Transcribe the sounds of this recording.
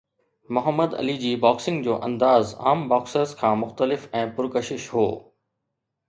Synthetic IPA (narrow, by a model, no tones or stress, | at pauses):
mʊɦəmːəd̪ɐ̰lid͡ʑiːbaːksɪ̃ŋɡd͡ʑoːʔɐ̰̃nd̪aːza̰ːmbaːksəɾzkʰãːmʊxt̪əlɪfɛ̃ːpʊɾkəʃɪʃɦoː